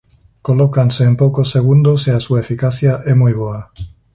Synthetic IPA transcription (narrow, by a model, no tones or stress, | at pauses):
kolokanseːmpokosːeɣ̞und̪oseasuaefikaθjaʔɛmujβoa